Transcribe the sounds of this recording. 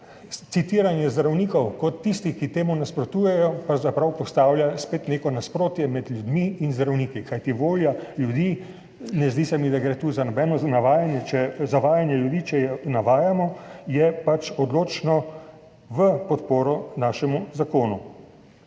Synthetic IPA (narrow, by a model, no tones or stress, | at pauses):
t̪sit̪iːɾanjɛzd̪ɾawniːkɔwkɔt̪ːist̪ixkit̪eːmunaspɾɔt̪ujɛjɔpɾɐwzapɾawpɔst̪aːwljaspeːt̪neːkɔnaspɾoːt̪jɛmɛd̪lʲjud̪miːnzd̪ɾawniːkikajt̪iʋoːljaljud̪iː | nɛzd̪isɛmid̪aɡɾet̪uzanɔbɛnɔnaʋaːjanjɛt͡ʃɛzaʋaːjanjɛljud̪it͡ʃɛjɛnaʋaːjamɔjɛpat͡ʃɔd̪loːt͡ʃnɔ | ʋəpɔt̪poːɾɔnaːʃɛmuzakoːnu